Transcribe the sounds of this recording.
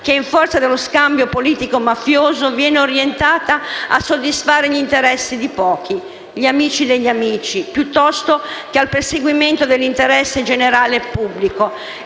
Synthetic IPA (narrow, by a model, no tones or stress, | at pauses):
keiɱfɔrt̪sad̪elːoskambjopoliːt̪ikomafjoːzovjɛːneoɾjent̪aːt̪aa̰sːod̪ːisfaːɾeʎint̪eɾɛsːid̪ipɔːk̟ʰi | ʎiamiːt͡ʃid̪eʎːamiːt͡ʃipjut̪ːɔst̪okealperseɡwiment̪od̪elːint̪eɾɛsːed͡ʒeneɾaːlepubːliko